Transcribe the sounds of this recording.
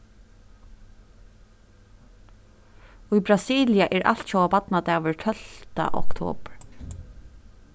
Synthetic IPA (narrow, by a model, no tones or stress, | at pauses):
ujbɾasiːlɪjaʔɛːɹa̰l̥t̪ʃowapat̪nat̪ɛːʋɪɹtʰœl̥t̪a̰ʔɔ̰kt̪ʰo̰ːpɹ